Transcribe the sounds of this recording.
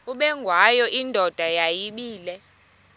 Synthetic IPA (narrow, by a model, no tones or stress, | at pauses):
uɓɛŋɡʱwajɔʔindʱɔd̥ʱajajiɓiːlɛ